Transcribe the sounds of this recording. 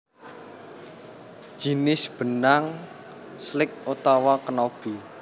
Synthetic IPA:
ʒ̥i̤nɪsb̥ə̤naŋ | slɪk̚ut̪ɔwɔkənɔb̥i

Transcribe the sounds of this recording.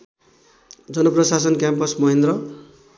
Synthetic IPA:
d͡zʌnʌprʌsas̬ʌnkjampʌsmʌɦend̪ɾʌ

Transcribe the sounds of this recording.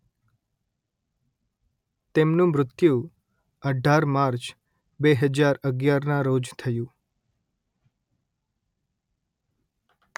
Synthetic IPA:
t̪emnũmɾʊt̪jũ | əɖʱaɾmaɾt͡ʃ | beɦəd͡ʒaɾəɡjaɾnãɾod͡ʒt̪ʰəjũ

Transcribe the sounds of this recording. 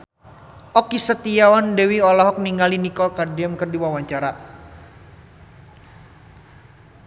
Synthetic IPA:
ʔɔkisət̪ijawandɛwiɔlaɦɔk̚niŋalinikɔlkadiamkərdiwawaɲt͡ʃaɾa

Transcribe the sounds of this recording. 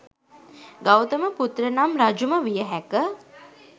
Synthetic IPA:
ɡawt̪əməput̪rənamɾad͡ʒuməʋijəɦækə

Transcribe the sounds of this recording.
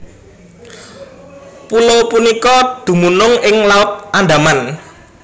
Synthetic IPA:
pulopunikɔd̪̥ṳmunʊŋɪŋlaʊt̪̚anɖ̪aman

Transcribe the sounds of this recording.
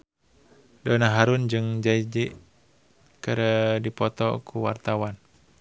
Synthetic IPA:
dɔnaɦaɾund͡ʒɨŋd͡ʒaid͡ʒiʔ | kɨɾədipɔt̪ɔ̰kʰuwa̰rt̪awan

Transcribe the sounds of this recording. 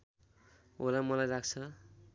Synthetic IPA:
o̰lamʌlajɾakt͡sʰʌ

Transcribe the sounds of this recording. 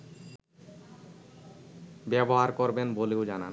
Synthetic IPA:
bɛboɦaɾkoɾbenboleod͡ʑana̰n

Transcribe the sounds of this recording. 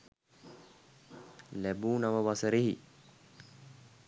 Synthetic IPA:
læbuːnaʋəʋasəɾiɦi

